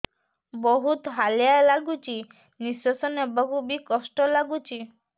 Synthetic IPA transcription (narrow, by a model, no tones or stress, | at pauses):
bɔɦut̪ɦaljalaɡut͡ʃi | niswɔsɔnebɔkubikɔsʈɔlaɡut͡ʃʰi